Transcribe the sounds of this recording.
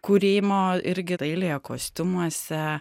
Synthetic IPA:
kuɾʲeːmoːɪɾʲɡʲɪtɐɪlʲejɛko̰ːsʲt̪ʲʊmuɔsʲɛ

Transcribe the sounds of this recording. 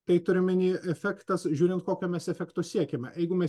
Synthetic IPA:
t̪ɐɪt̪ʊɾʲɪmʲɪnʲiːʔɛfʲækt̪ɐsʒʲuːɾʲɪnt̪̚koːkʲoːmʲɛsɛfʲɛkt̪osʲiɛkʲɛmʲɛ̰jɛɪɡʊmʲɛ

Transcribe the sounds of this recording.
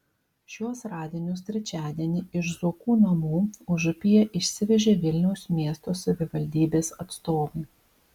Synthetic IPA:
ʃʲuɔsɾɑːd̪ʲeːnʲʊs̬t̪ʲɾʲɛt͡ʃʲæːd̪ʲɛnʲɪɪʃzʊːkuːnɐmuːʊʒʊpʲɪjɛʔɪʃʲsʲɪʋʲɛʒʲeːʋʲɪlʲnʲɛʊsmʲiɛst̪oːsɐʋʲɪʋɐlʲd̪ʲiːbʲeːsɐt̪st̪oːʋɐɪ

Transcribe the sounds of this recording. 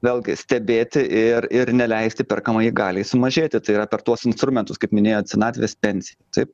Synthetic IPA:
ʋʲeːlʲˠɡʲɪsʲt̪ʲɛbʲeːt̪ʲɪʔɪrɪrnʲɛlʲɛɪsʲt̪ʲɪpʲɪrkɐmɐjɪɡɑːlʲɪsʊmɐʒʲeːt̪ʲɪt̪ɐɪiːrɐpʲɛrt̪uɔsɪnst̪ɾʊmʲɛnt̪ʊskɐɪpmʲɪnʲeːjoːt̪ʲsʲɛnɑːt̪ʲʋʲeːspʲɛnʲsʲɪjɛt̪ɐɪp̚

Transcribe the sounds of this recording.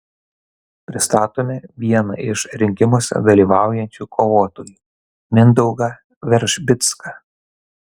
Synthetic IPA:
pʲɾʲɪst̪ɑːt̪oːmʲɛʋʲiɛnɐ̰ɪʃɾʲɪŋʲkʲɪmoːsʲɛ̰d̪ɐlʲiːʋɑˑʊjɛnʲt͡ʃʲukʰoːʋoːt̪oːjiː | mʲɪnd̪ɔʊɡɐ | ʋʲɛɾʲʒʲbʲɪt̪skɐ

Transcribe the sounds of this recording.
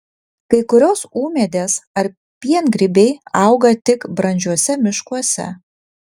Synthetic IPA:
kɐɪkʊɾʲoːsuːmʲɛd̪ʲeːsɐɾ | pʲiɛnɡɾʲɪbʲɛɪɐʊɡɐt̪ʲɪkbɾɐnʲd͡ʒʲuɔsʲɛmʲɪʃkuɔsʲɛ̰

